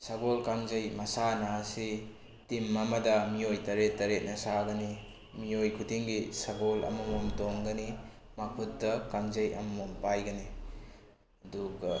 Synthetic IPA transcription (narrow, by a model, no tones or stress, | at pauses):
sɐɡolkaŋzɐjmɐsanasi | timːɐmɐdɐmiojtɐɾetːɐɾet̚nɐsaɡɐni | miojkʰudiŋɡisɐɡolɐ̰mɐmomtoŋɡɐni | mɐpʰut̚dɐkaŋzɐjɐ̰mɐmompajɡɐni | ɐduɡɐ